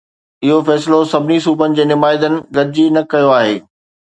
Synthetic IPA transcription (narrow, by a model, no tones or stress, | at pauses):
ɪɦofɛːsɪlosɐbʱɪnisuːbənɪ̆d͡ʑeːnɪmaːɪd̪ənɪ̆ɡɐɾɪd͡ʑinɐkɐjoaːɦeː